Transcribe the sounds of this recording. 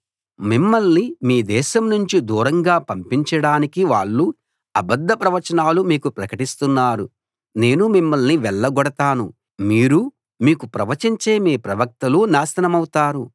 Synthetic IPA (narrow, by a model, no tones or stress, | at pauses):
mimːɐlnimiːd̪ɛːʃɐmnuɲt͡ʃid̪uːɾɐŋɡaːpɐmpiɲt͡ʃɐɽaːnikiʋaːɭːu | ɐbɐd̪ʱːɐpɾɐʋɐt͡ʃɐnaːlumiːkupɾɐkɐʈist̪unːaːɾu | ne̞ːnumimːɐlniʋɛɭːɐɡɔɽɐt̪aːnu | miːɾu | miːkupɾɐʋɐt͡ʃiɲt͡ʃe̞ːmiːpɾɐʋɐk̚t̪ɐlunaːsɐnɐmɐwut̪aːɾu